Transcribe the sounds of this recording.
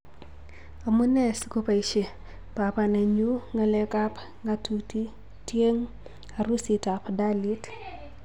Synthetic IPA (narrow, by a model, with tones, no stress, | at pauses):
a˨mu˦nɛ˦sko˦pa˨i˨ʃe˨ | pa˨pa˨nɛ˨ɲu˦ŋa˨lɛ˦ka˦p | ŋɡa˦tʰu˨ti˦ | tje˦ŋ | a˨ɾu˦si˨ta˨pda˦li˦t